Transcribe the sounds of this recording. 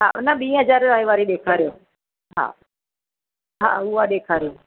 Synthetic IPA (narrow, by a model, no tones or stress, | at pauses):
ɦa̰ːnəɓiːɦəzaːɾɾaːiʋaːɾiɗeːkʰaːɾijoː | ɦa̰ː | ɦa̰ːʊɦaɗeːkʰaːɾijoː